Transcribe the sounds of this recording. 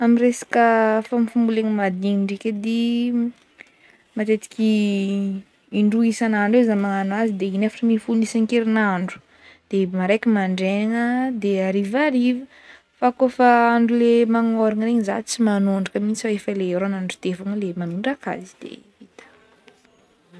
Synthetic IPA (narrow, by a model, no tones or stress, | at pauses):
amiresḁkəfamifumbuleŋimad̪iŋiɳɖ͡ʐikʲed̪i | mat̪et̪i̥kʲi | iɳɖ͡ʐuisanaɳɖ͡ʐewzamaŋanuazid̪einefaʈ͡ʂəmifunisaŋkeɾinaɳɖ͡ʐu̥ | d̪̥emaɾejkʲimaɳɖ͡ʐeŋəd̪eaɾivaɾivə | fakofəaɳɖ͡ʐulemaŋoɾiŋreɲiza̰t͡simanuɳɖ͡ʐəkəmint͡saefəleeɾoanaɳɖ͡ʐut̪efaŋlemanuɳɖ͡ʐaka̰zi̥d̪̥ḛ | it̪ə̥